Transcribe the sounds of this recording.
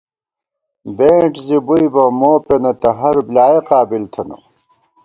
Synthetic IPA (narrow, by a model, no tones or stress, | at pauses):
beːʈzibujbɐmoːpenɐt̪ɐɦɐɾblaːjeqaːbilt̪ʰɐnɐ̰